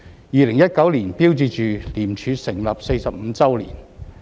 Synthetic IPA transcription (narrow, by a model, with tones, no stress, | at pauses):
jiː˨˧lɪ˨˩ŋjɐ˥t̚kɐ˨˥wli˨˩npiː˥wt͡siː˧t͡ʃyː˨liː˨˩mt͡ʃʰyː˨˧sɪ˨˩ŋlɐ˨p̚se˧jsɐ˨p̚m̩˨˧t͡sɐ˥wlḭː˨˩n